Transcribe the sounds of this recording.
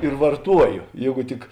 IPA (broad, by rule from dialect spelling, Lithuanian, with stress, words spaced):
ɪr ʋɐrˈtuɔjoː ˈjeːɡʊ ˈtʲɪk